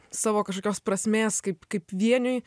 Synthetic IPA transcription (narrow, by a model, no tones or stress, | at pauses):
sɑːʋoːkɐʃkoːkʲoːspɾɐsʲmʲeːskɐɪpkɐɪpʋʲiɛnʲʊj